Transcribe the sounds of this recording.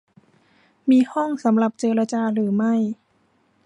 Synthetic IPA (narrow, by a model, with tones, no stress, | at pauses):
miː˧hɔ˥˩ŋsa˩˦mla˨˩p̚t͡ɕeː˧ɾa˧t͡ɕaː˧ɾɯː˩˦ma˥˩j